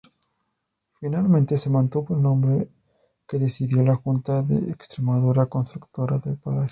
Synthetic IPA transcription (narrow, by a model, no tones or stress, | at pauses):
finalmẽnt̪e̞se̞mãnt̪uβoelnõ̞mbɾe | ke̞ðe̞siðjo̞laxunt̪aðḛːkst̪ɾe̞maðuɾako̞nst̪ɾukt̪o̞ɾaðelpalasjo̥